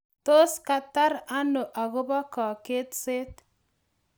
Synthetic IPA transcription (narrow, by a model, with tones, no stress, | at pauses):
to˦ska˨ta˦ɾa˦no˨ʔa˨ɣo˦ba˦kɔ˨ke˦t̪se˦t